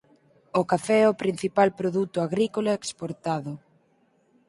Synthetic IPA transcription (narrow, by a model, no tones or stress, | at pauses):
okafɛɛopɾin̟θipalpɾoðut̪ʊaɣɾikolaekspoɾt̪aðʊ